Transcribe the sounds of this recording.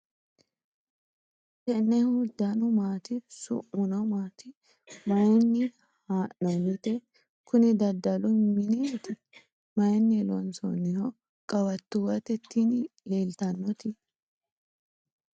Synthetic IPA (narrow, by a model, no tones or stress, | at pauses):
tɛnːɛhʊd̪ɐnʊmaːt̪ɪsʊ̰ʔʊnɔmaːt̪ɪ | mɐjɛnːɪ | haːʔːɔnɪt̪ɛ | kʊnɪd̪ɐd̪ːɐlʊmɪneːt̪ɪ | mɐjɛnːɛlɔnsɔ̰nːɪhɔ | kʼɐwɐt̪ːʊwɐt̪ɛt̪ʰːinɪle̞ːlt̪ɐnːɔt̪ɪ